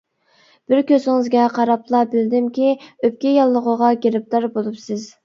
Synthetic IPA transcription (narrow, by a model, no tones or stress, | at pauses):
b̥ɪɾkʲøsɪŋɨzɡʲɛqʰɑɾɑplˠɑbɪld̪ɪmkʲiøp̚kʲɛjɑlˠːəʁəʁɑɡʲeɾɪp̚t̪ɑɾbolˠupsɪz